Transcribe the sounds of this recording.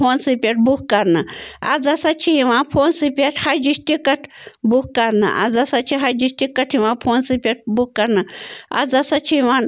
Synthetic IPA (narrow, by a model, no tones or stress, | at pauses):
oːnsipʲeʈ̚bukkɐɾnɨɐ̰d͡zɐsɐt͡ʃʰijiʋãːpʰoːnsipʲeʈʰhɐd͡ʒiʃt̪ikɐʈʰbukkɐɾnɐ̰ʔa̰d͡zɐsɐt͡ʃʰiɦɐd͡ʒiʃʈikːɐʈʰiʋãːpʰoːnsipʲeʈ̚buk̚kɐɾnɨa̰d͡zɐsɐt͡ʃʰiʋaːn